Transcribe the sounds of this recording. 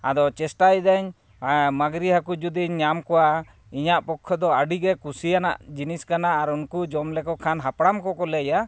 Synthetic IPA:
a̰d̪ɔt͡ʃɛsʈajd̪aɲ | maɡɾiɦakud͡ʒud̪iɲːamkɔwa | iɲaʔpɔkʰːɔd̪ɔaɖiɡɛkusijana̰ʔd͡ʒiniskanaʔaɾunkud͡ʒɔmlɛkɔkʰanɦapɽamkɔkɔlɛja

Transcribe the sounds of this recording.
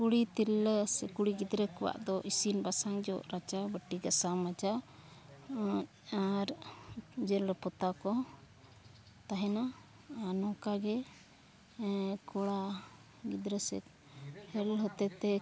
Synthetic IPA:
kuɽit̪iɾəsɛkuɽiɡid̪ɾəkɔwa̰ʔd̪ɔʔisinbasaŋd͡ʒɔ̰ʔɾat͡ʃabəʈiɡasamad͡ʒa | aɾ | d͡ʒɛlɾɛpɔt̪akɔ | t̪aɦɛna | anɔkaɡɛ | kɔɽa | ɡid̪ɾəsɛ̰ | hɛlɦɔt̪ɛt̪ɛ

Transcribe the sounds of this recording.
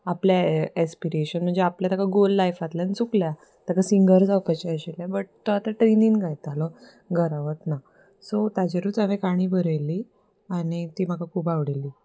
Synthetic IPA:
apljaɛspiɾeɕənm̤əɳd͡zeapljat̪akaɡolːajfat̪ljanit͡suklja | t̪akasiŋɡəɾd͡zawpat͡ɕaəɕeljabəʈ̚t̪oat̪aʈɾeniːnɡajt̪alɔ | ɡəɾaʋət̪na | sot̪ad͡ʑeɾut͡saʋekaɽ̃iːbəɾəli | aɽ̃it̪iːm̤akakʰuːpaʋɽeliː

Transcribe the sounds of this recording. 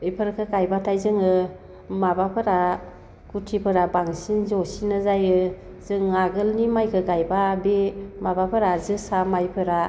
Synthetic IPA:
ɯjpʰɯɾkʰɯkajbatʰajzɯŋɯ | mabapʰɯɾa | kutʰipʰɯɾabaŋsinzosinɯzajɯ | zɯŋːaɡɯlnimajkʰɯɡajbabemabapʰɯɾazɯsamajpʰɯɾa

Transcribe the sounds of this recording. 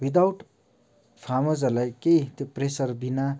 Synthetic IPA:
wid̪awʈ | pʰamʌd͡zʌrlajkejt̪opresʌrbina

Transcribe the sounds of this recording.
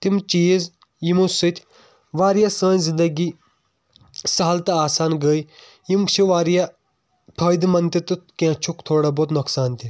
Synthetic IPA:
t̪imt͡ʃiːz | jimusɨt̪ʲʰ | ʋaːɾjasə̃ːnzind̪ɐɡi | sɐɦɐlt̪ɐaːsaːnɡəːj | jimt͡ʃʰiʋaːɾja | pʰɐːjd̪mɐnt̪it̪ɨkãt͡ʃʰukt̪ʰoːɽaboːt̪nɐksaːnt̪i

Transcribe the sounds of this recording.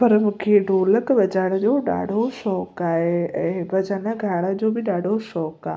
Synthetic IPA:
pɐɾmũkʰeɖʱoːləkbɐd͡ʑaːɽəd͡ʑoːɗa̰ːɽ̤ʱoʃɔːkaːɦeɛ̃ːbɐd͡ʑaːnəɡʱaːɽəd͡ʑoːbɪɗaːɽʱoʃɔːka̰ː

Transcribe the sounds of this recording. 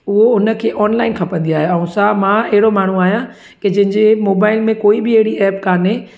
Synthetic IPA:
ʊɦoʊnə̆kʰeːʔɔːnlaːɪnkʰɐpə̃nd̪iaːɦeɛ̃ũsamãɐɦɪɽomaːɳ̤ũaːɦijã | kɪd͡ʑɐ̃ɦɪ̃ɲd͡ʑemoːbaːɪlmẽkoːibɪɐɦɪɽiɛːpkaːne

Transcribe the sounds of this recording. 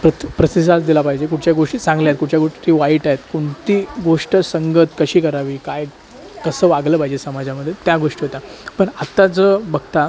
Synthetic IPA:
pɾət̪pɾəsisat͡sd̪ilapaɦid͡ʑek̬uʈʰt͡ɕjaɡoʂʈisãŋɡljajt̪kuʈʰt͡ɕjaɡoʂʈiːʋaiʈaɦet̪koɳt̪iːɡoʂʈəsəŋɡət̪kəɕiːkəɾaʋiːkaj | kəsəːʋaɡləːpaɦid͡ʑesəmad͡ʑjaməd̪ʱjet̪jaɡoʂʈiɦot̪apəɳat̪ad͡zəːbəɡt̪a

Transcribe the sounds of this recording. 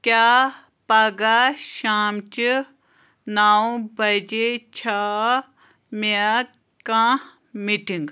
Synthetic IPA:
kʲjaː | pɐɡaʃaːmt͡ʃi | naːũbɐd͡ʒet͡ʃʰa | me | kã | miʈiŋɡ

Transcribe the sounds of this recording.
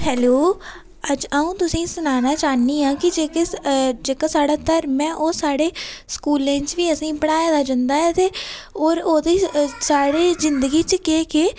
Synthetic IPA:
hɛːloː | əd͡ʒaũːt̪ʊsĩːsʊnaːnaːt͡ʃaːniːãːkɪd͡ʒeːked͡ʒeːkaːsaːɽaːt̪əɾmɛ̃ːʔoːsaːɽeːskuːlẽːt͡ʃʋiːəsĩːpəɽaːjaːd̪aːd͡ʒãnd̪aːɛːt̪eːoːɾoːd̪eːsaːɽeːzɪnd̪əɡiːt͡ʃkeːkeː

